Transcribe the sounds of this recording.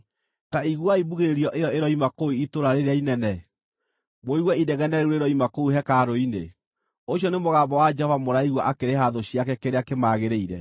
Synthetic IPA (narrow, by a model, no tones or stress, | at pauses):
taiɣwaiβuɣeɾiɔʔejɔeɾɔimakouitoɾaɾeɾeainɛnɛ | moiɣwɛidɛɣɛnɛuɾeɾɔimakouɦɛkaːɾoinḛ | oɕjɔnemoɣaːmbɔwad͡ʒɛhɔvamoɾaiɣwaʔakeɾehaðoɕiakɛkeɾeakemaːɣeɾeiɾɛ̰